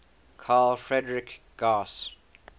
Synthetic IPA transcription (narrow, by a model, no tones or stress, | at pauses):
kʰaːlfɹɛdəɹɪk | ɡ̥aːs